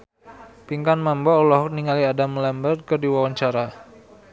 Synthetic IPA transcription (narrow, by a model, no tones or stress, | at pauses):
piŋkanmambɔulɔɦɔk̚niŋaliadamlɛmbərkərdiwawaɲt͡ʃaɾa